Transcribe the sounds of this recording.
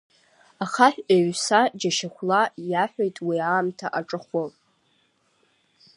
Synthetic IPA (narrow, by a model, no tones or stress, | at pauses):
aχaħᶣʔaɥsad͡ʒaʃaχʷlajaħʷᶣejtʼwiaːmtʰaʔaʈ͡ʂʼɨχʷo